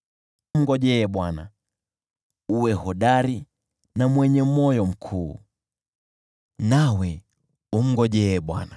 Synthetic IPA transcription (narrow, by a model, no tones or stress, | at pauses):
m̩ɡɔʄɛːɓwana | uwɛhɔɗaɾi | namwɛɲɛmɔjɔm̩kʰuː | nawɛ | um̩ɡɔʄɛːɓwa̰na